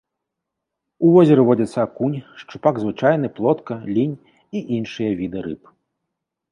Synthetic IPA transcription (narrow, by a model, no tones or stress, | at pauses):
uvɔzʲɐɾɨvɔd͡zʲɐt̪sːɐkunʲʂt͡ʂupaɡzvɨt͡ʂajn̪ɨplˠɔt̪kɐlʲinʲ | iʔinʂɨjɐvʲid̪ɨɾɨ̰p